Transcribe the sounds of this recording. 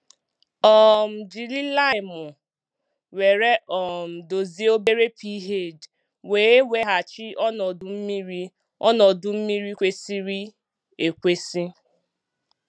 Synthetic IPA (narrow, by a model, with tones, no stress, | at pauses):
ɔ˦˨m̩˨d͡ʒi˨li˦la˦ɪ˨mʊ˨ | we˨ɾe˦ʔɔ˨m̩˨do˨zi˦o˦be˦ɾe˦pi˦i˦ɦe˦˨d͡ʒ | we˨˦e˦we˦ɦa˨t͡ʃi˦ɔ˦nɔ˨dʊ˨m̩˦mi˦ɾi˦ | ɔ˦nɔ˨dʊ˨m̩˦mi˦ɾi˦kʷe˦si˦ɾi˦ | e˨kʷe˦si˦